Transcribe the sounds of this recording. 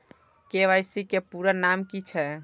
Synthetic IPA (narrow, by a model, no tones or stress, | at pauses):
keʋajsikepuɾənamkit͡ʃʰɛ